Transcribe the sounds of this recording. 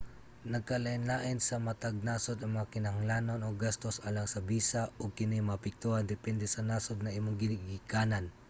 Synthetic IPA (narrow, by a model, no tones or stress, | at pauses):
nɐɡ̚kɐlɐʔɪnlaːʔɪnsɐmɐt̪aɡ̚naːsod̪ɐŋmɐŋakɪnɐŋlaːnonoɡast̪osʔalaŋsɐbiːsaoɡ̚kɪnɪmɐapɪk̚t̪uand̪ɪpɛnd̪ɛsɐnaːsod̪̚nɐʔimoŋɡɪnɪɡikaːnan